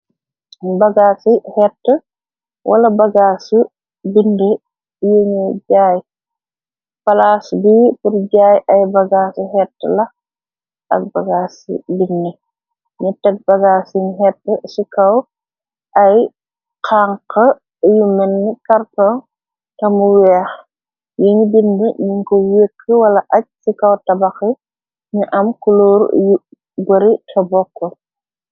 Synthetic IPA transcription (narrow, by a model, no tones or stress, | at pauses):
bɐɡaːsihɛtːə | wʔɐ̰lɐbɐɡaːsu | binde | jeɲuɟaːj | pɐlaːsbiːpuɾɟaːjɐjbɐɡaːsihɛtːəlɐ | ɐk̚bɐɡaːsḭbindɛ | ɲutːɛt̚bɐɡaːsiɲɦɛtːəsikɐw | ʔɐj | qaːŋqɐ | jumɛnːikɐrtɔn | tɐmuwɛːx | jiɲbinːiɲuŋkɔwekʰːəwɐlɐʔɐc̚sikɐwtɐbɐxi | ɲuʔɐmkuloːɾju | bɐɾitʰɐbɔkːɔ